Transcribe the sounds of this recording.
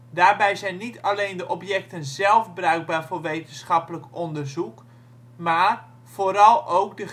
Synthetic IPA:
daːrbɛjzɛjnːitʰalejndəʔɔpjɛk̚tənzɛlˠfbrœɥɡ̚baːɹvoːrʋejtənsχɑpələkɔndərzuk | maːr | v̥oːɾɑlˠowkdə

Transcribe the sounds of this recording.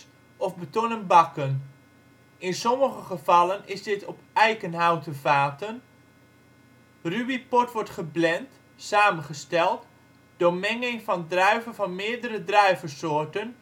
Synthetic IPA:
ɔfbətonənbɑkən | ɪnsɔməχəχəv̥ɑlənɪzdɪtɔpɛjkənɦawtəvaːtən | rybipɔtʋɔɹtχəblɛnt | saːmənχəstɛlˠt | d̥omɛŋɪŋfɑndrœɥvəvɑnmɪːɹdəɾədrœɥvəsoːɹtən

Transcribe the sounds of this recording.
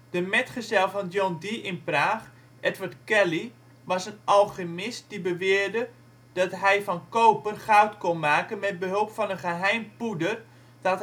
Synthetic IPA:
d̥əmɛtχəzɛlˠvɔndjondiʔɪnpraːχ | ʔɛtʋəɹtkɛli | ʋɑsənʔɑlˠχəmɪst̚d̥ibəʋɪərdə | d̥ɔtɦɛjvɔnkowpərχawtkonmaːkənmɛd̚bəɦɵlˠpfɑnənχəɦɛjmpudər | d̥ɔt

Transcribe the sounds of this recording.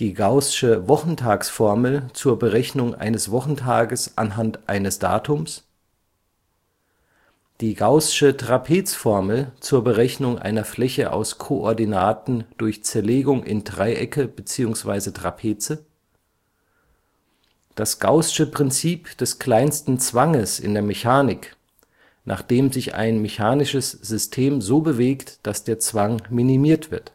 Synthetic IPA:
d̥iːɡaʊsʃəvɔχn̩tʰaːksfɔɐml̩t͡suːɐbəʁɛçnʊŋʔa̰ɪnəsv̥ɔχn̩tʰaːɡəsʔa̰nɦantʔa̰ɪnəsd̥a̰ːtʰʊms | d̥iːɡaʊsʃətʁ̥apʰeːt͡sfɔɐml̩t͡suːɐbəʁɛçnʊŋʔa̰ɪnɐflɛçəʔa̰ʊskʰoʔɔɐdinaːtn̩d̥ʊɐçt͡sɛɐleːɡʊŋʔɪ̰ndʁaɪʔɛkəb̥ət͡siːʊŋsv̥a̰ɪzətʁ̥a̰pʰeːt͡sə | d̥asɡ̥aʊsɪ̥ʃəpʁ̥ɪnt͡siːpd̥ɛskl̥aɪnstn̩t͡sv̥aŋəsɪ̰ndeːɐmeçaːnɪk | nʔa̰ːχd̥eːmzɪçʔa̰ɪnmeçaːnɪʃəsz̥ʏstʰeːmzoːbəveːktd̥asd̥eːɐt͡sv̥aŋminimiːɐtv̥ɪɐt

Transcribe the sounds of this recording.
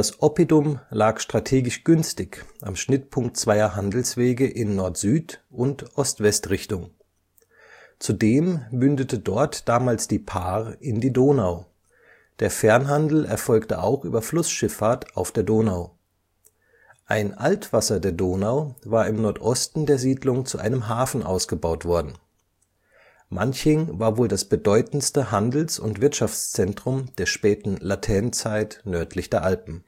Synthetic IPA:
dasʔɔpidʊmlaːkʃtʁ̥atʰeːɡɪʃɡ̥ʏnstɪçʔamʃnɪtpʰʊŋk̚tt͡sv̥aɪɐɦandl̩sv̥eːɡəʔɪnːɔɐtz̥yːtʊntʔɔstv̥ɛstʁɪçtʊŋ | t͡sudeːmmʏndətʰədɔɐtd̥aːmaːlsd̥iːpʰaːʁəɪndiːdoːnaʊ | d̥eːɐfɛɐnɦandl̩ɛ̰ɐfɔlktə̰ʔa̰ʊxʔyːbɐflʊsʃɪfaːɐtʰaʊfd̥eːɐdoːnaʊ | ʔa̰ɪnʔaltv̥asɐdeːɐdoːnaʊvaːɐɪmnɔɐtʔɔstn̩deːɐziːdlʊŋt͡suʔa̰ɪnəmɦaːfn̩ʔa̰ʊsɡ̥əbaʊtv̥ɔɐdn̩ | mançɪŋvaːɐvoːldasb̥ədɔʏtn̩stəɦandl̩sʊ̰ntv̥ɪɐtʃaft͡st͡sɛntʁ̥ʊmd̥eːɐʃpɛːtn̩latʰɛɐnt͡saɪtnœɐtʰlɪçd̥eːɐʔalpn̩

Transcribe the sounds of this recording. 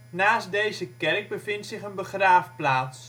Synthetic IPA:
naːsdejzəkɛrɡ̚bəvɪntsɪχənbəχraːfplaːs

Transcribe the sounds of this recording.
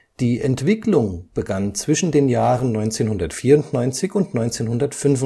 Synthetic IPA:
d̥iːʔɛntv̥ɪklʊŋb̥əɡant͡sv̥ɪʃn̩deːnjaːʁənnɔʏnt͡seːnhʊndɐtfiːɐʊntnɔʏnt͡sɪçʊntnɔʏnt͡seːnhʊndɐtfʏnvʊ

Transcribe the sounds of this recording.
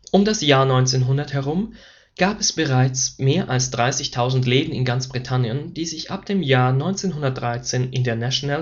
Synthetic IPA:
ʔʊmdasjaːɐnɔʏnt͡seːnɦʊndɐthɛʁʊm | ɡ̥aːpɛsb̥əʁaɪt͡smeːɐʔalsd̥ʁaɪsɪçtʰaʊzn̩tleːdn̩ɪ̰nɡant͡sb̥ʁitʰanjənd̥iːzɪçʔa̰p̚d̥eːmjaːɐnɔʏnt͡seːnɦʊndɐt̚d̥ʁaɪt͡seːnʔɪndeːɐnaʃonal

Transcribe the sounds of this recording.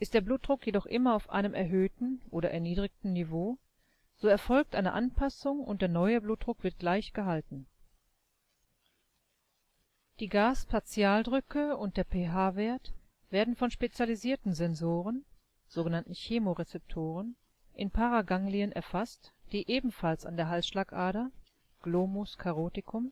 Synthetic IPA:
ʔɪstd̥eːɐbluːt̚d̥ʁʊkjedɔχʔɪmɐaʊfʔa̰ɪnəmʔɛɐɦøːtn̩ʔoːɾɐ̰ʔɛɐniːdʁɪçtn̩nivoː | z̥oːɛɐfɔlk̚tʔaɪnə̰ʔanpʰasʊŋʊ̰nt̚d̥eːɐnɔʏəbluːt̚d̥ʁʊkv̥ɪɐt̚ɡ̥laɪçɡ̥əɦaltn̩ | d̥iːɡaːspʰaɐt͡sjaːldʁʏkʰəʊnt̚d̥eːɐpʰeɦaːveːɐt | v̥eːɐdn̩fɔnʃpet͡sjaliziːɐtn̩zɛnzoːʁən | z̥oːɡənantn̩çeːmoʁet͡sɛp̚tʰoːʁ̞ən | ʔɪnpʰaʁaɡaŋliənʔɛ̰ɐfastd̥iːʔeːbm̩falsa̰ndeːɐɦalsʃlaːkʔaːɾə | ɡ̥loːmʊskʰaʁoːtɪkʰʊm

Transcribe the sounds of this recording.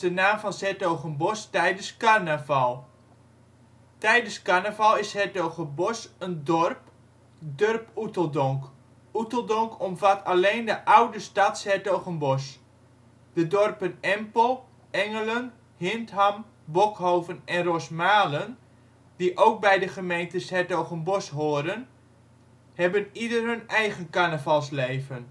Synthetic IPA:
dənaːmfɑnsɛtowχənbɔstɛjdənskarnəvalˠ | tɛjdəskaɹnəvalˠɪshɛɹtowχəbɔsəndɔrp | dørputəlˠdɔŋk | utəlˠdɔŋkʰɔmvatʰaleːndəʔawdəstatshɛtowɣənbɔs | d̥ədɔrpənɛmpəlˠ | ɛŋələn | hɪntɦam | bokhowvənɛnrosmaːlən | d̥iʔowk̚bɛjdəχəmejntəshɛɹtowɣənbɔsɦoːɾən | hɛbənidərɦɵnɛjχənkanəvalˠsleːvən

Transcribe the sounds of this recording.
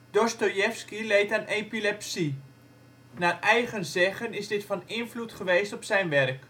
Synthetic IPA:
d̥ostojɛfskilejtanʔepilɛpsi | naːrɛjχənzɛχənɪzdɪtfɑnɪnflutχəʋeːstɔpsɛjnʋɛrk

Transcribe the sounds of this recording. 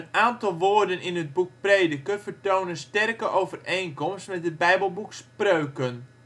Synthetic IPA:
ənaːntɑlˠʋoːrdənɪnɦəd̚buk̚preːdəkəfərtownənstɛrkəʔowvərejnkɔmstmɛtɦəd̚bɛjbəlˠbuksprøːkən

